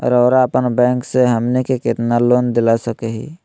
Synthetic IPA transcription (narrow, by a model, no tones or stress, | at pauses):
ɾɔːɾaəpənbɛ̃ːŋkseɦəmnekekɪt̪naloːnd̪ɪlasəkeɦḭ